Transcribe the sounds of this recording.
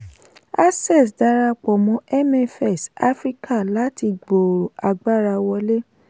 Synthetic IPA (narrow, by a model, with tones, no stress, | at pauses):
a˦sɛ˦˨s̬da˧˦ɾa˧k͡pɔ˨mɔ̃˨˦ɛ˦mɛ˨fɛ˦˨sa˦fɾi˦ka˦˨la˨˦ti˧ɡ͡bo˨ɾo˨a˨ɡ͡ba˦ɾa˧wɔ˧˦le˦